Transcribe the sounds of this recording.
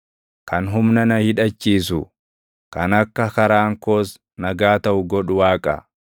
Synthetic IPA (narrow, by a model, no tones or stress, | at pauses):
kɐnɦʊmnɐnɐhɪᶑɐt͡ʃːiːs̬ʊ | kɐnɐkːɐkɐɾaːŋkoːs | nɐɡaːt̪ɐʔʊɡɔᶑʊwaːkʼɐ̰